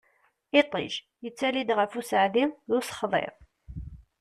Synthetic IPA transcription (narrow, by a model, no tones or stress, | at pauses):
ɪt̪ˤḭʒ | jət͡sːælid̪ʁəfusəʕðiðʊsə̥χðˤḛʁ